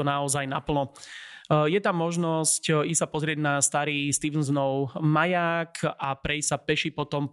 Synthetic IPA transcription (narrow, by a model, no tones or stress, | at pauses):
ɔnaɔzajnapl̩nɔ | jɛt̪amːɔʒnɔscisapɔzɾɪɛɟnast̪aɾiːst̪iːʋnznɔʊmajaːkʰʔapɾɛissapɛʃipɔt̪ɔm